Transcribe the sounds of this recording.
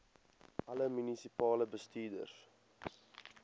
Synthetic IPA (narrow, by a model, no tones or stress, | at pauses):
ʔɐləmynisipɑːləbəstiːdə̰rs